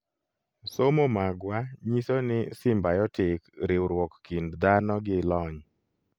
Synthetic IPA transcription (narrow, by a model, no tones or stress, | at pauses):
somomaɡwaɲisonɪsɪmbajɔtɪkɾɪwɾwɔkːindd̪anɔɡɪlɔɲ